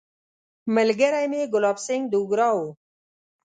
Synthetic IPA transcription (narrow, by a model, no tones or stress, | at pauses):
məlɡəɾajmeɡʊlaːpseŋɡd̪uɡɾaːu